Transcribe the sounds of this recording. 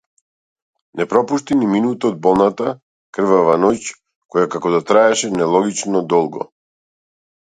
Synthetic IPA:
nɛpɾɔpuʃt̪iniminut̪aɔd̪̚bɔlˠnat̪a | kr̩vavanɔc | kɔjakakɔd̪at̪ɾaɛʃɛnɛlˠɔɡit͡ʃnɔd̪ɔlˠɡɔ̰

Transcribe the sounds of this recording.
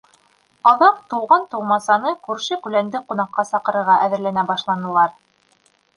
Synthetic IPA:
ɑðɑqt̪ŭwʁɑnt̪ɤ̆wmɑsɑnɤkʉɾʃɘkʉlænd̪ɘqunɑqːɑsɑqɤ̆ɾɤ̆ɾʁɑʔæðɘ̆ɾlænæbɑʃlˠɑnɤ̆lˠɑɾ

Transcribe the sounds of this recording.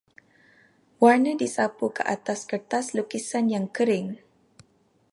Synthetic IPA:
warnədisapukəʔat̪askərt̪aslukisanjaŋkəɾɪŋ

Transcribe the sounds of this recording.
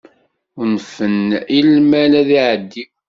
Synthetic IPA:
ʊnfənilmælæðiʕəd̪ːiw

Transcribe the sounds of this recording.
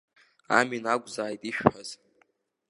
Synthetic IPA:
a̰minaɡʷzaːjtʼiʃᶣħaz̥

